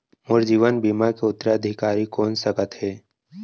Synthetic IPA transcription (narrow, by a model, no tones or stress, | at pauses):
mʊɾd͡ʒiːʋənbiːmakeʊt̪ːɾaəd̪ʱɪkaːɾikɔːnsəkət̪ɦɛː